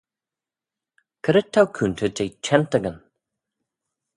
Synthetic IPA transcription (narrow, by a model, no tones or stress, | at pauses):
kʰəɾət̪ʰːawkʰuːnt̪ʰədejt͡ʃʰɛnt̪əɡən